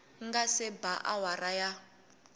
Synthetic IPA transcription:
ŋɡasɛbaʔawaɾaja

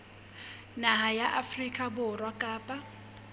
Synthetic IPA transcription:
naɦajaʔafrikʼabʊrwakʼaːpʼa

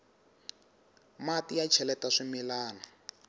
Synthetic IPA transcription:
matijat͡ʃʰɛlɛtaʂimilaːna

